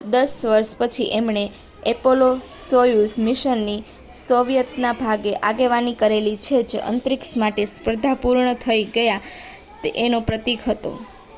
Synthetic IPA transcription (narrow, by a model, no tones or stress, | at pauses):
d̪əsʋəɾʃpət͡ʃʰiʔemɳe | epolosojusmiʃənːi | soʋjət̪nabʱaɡeʔaɡeʋanikəɾelit͡ʃʰed͡ʒə̰nt̪ɾiksmaʈespɾəd̪ʱapuɾɳət̪ʰəiɡəja | t̪eʔenopɾət̪ikɦət̪o̰